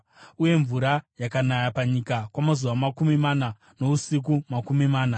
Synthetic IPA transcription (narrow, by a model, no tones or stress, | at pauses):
uje̞ɱvuɾajakanajapaɲikakwamazuʋamakumimana | no̞usik̬umakumimaːna